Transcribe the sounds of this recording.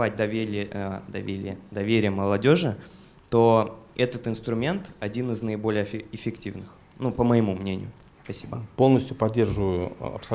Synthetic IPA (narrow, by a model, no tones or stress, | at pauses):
at̚ʲd̪ʲ | d̪ɐvʲeɾʲɪ̰jəd̪ɐvʲeɾʲɪjəməlˠɐdʲo̞ʐɨ | t̪oɛt̪ət̪ɨnst̪ɾʊmʲe̞nt̪ɐdʲinɨznəɪbo̞lʲɪjəɪɪfʲɪktʲivnɨx | nupəməjɪmumnʲenʲɪjʊ | spɐsʲibəpo̞lˠnəsʲtʲjʊpɐdʲːe̞rʐɨvəjʊɐ̰psɐ